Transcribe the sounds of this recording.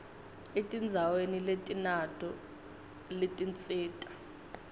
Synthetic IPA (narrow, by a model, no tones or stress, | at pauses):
etʼind͡zʱaweniletʼinatʰʼɔ | letʼint͡sʼiːtʼḁ